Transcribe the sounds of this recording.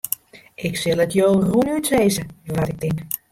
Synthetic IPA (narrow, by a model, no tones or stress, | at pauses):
ʔɪksɪlˠətjoːrunytʋeːzəʋatɪk̚tɪŋk